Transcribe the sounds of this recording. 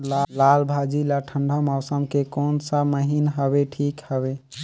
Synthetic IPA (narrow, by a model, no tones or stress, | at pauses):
llalbʱad͡ʒilaʈʰəɳɖʱɔmaʊsəmkekonsaməɦinɦəbeʈʰikhəbe